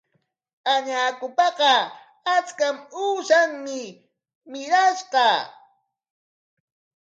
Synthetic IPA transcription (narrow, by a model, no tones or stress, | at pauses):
aɲaːkʊpɑqɑ | at͡skamuːʃaŋmɪ | mɪɾaʃɢɑ